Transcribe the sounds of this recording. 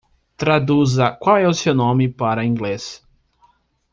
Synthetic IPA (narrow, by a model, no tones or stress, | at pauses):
t̪ɾad̪uzɐkwawɛʊsewnõmɪpaɾɐĩŋɡles